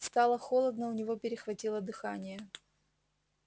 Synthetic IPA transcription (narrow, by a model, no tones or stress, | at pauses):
st̪ɑlˠəxo̞lˠəd̪nəʊnʲɪvopʲɪɾʲɪxvɐtʲilˠəd̪ɨxanʲɪjə